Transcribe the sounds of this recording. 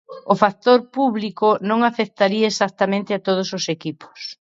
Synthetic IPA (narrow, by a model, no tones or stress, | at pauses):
ʊfak̚t̪oɾpuβlikonõŋafek̚t̪aɾiaesak̚t̪amẽnt̪ɪat̪oð̞ʊsosekipo̥s